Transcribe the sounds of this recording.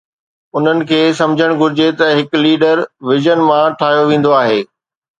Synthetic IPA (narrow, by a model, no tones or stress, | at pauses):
ʊn̤ənɪ̆kʰeːsɐ̃md͡ʑʱəɽ̃ɡʱʊɾɪd͡ʑet̪ɐɦɪkliːɖəɾʋɪzənmãʈʰaːɦjoʋẽːn̆d̪oaːɦeː